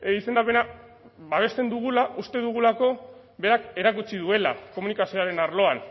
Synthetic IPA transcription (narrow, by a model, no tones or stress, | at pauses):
ise̞nd̪ape̞na | βaβ̞e̞st̪e̞nd̪uɣ̞ulaʔust̪e̞ðuɣ̞ulako̞ | βe̞ɾake̞ɾakut͡ʃiðue̞la̰ko̞munikasio̞aɾe̞naɾlo̞an